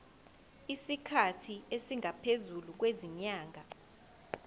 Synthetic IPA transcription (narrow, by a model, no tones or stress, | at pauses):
isikʰatʰiesiŋʱapʰezuluk̬weziɲaːŋʱa